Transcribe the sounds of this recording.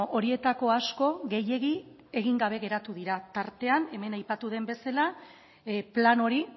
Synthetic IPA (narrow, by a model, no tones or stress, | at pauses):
ʔo̞ɾie̞t̪ako̞asko̞ɣe̞je̞ɣi | e̞ɣiŋɡaβ̞e̞ɣe̞ɾat̪uðiɾat̪aɾt̪e̞ane̞me̞najpat̪uð̞e̞mbe̞sala | plano̞ɾi